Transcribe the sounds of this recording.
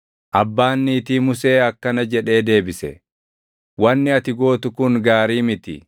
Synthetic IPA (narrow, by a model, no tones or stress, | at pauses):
ʔɐbːaːnːiːt̪iːmʊse̞ːɐkːɐnɐd͡ʒɛᶑe̞ːd̪e̞ːbɪsɛ̰ | wɐnːɪɐt̪ɪɡo̞ːt̪ʊkʊŋɡaːɾiːmɪt̪ɪ̰